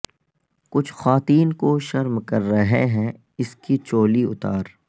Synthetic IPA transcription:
kʊt͡ʃʰxaːt̪iːnkoʃɐɾmkɐɾːɐɦeɦɛ̃ | ɪskit͡ʃoːliʊt̪aːɾ

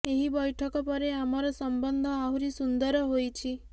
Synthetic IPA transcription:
eɦibɔjʈʰɔkɔpɔɾeamɔɾɔsɔmbɔnd̪ʱɔaɦwɾisund̪ɔɾɔɦojt͡ʃʰi

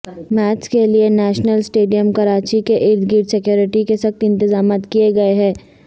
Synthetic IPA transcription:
mɛːt͡ʃkelienɛːʃnəlsʈeːɖijəmkɐɾaːt͡ʃikeʔɪɾd̪ɡiːɾsekjoːɾɪʈikesɐxt̪ɪ̃nt̪ɪzaːmaːt̪kieɡɐeɦɛ̃ː

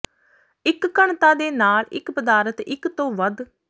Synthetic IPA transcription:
ɪkːəɳt̪ãːd̪eːnaːlɪ̰kpəd̪aːɾət̪ɪkt̪õːʋəd̪

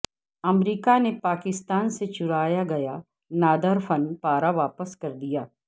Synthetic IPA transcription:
ɐmɾiːkanepaːkɪst̪aːnset͡ʃʊɾaːjaɡɐja | naːd̪əɾfɐnpaːɾaʋaːpəskɐɾd̪ijaː

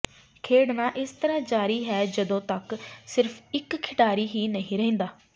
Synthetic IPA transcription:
kʰeːɽnãːʔɪst̪əɾãːd͡ʒaːɾiːɦɛːd͡ʒəd̪õːt̪əksɪɾfʰɪkʰːɪʈaːɾiːɦiːnəɦĩːɾɛẽːnd̪aː

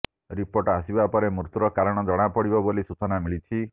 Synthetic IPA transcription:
ɾipoɾʈasibapɔɾemɾut̪uɾɔkaɾɔɽ̃ɔd͡ʒɔɽ̃apɔɽibɔbolisut͡ʃɔnamiɭit͡ʃʰi

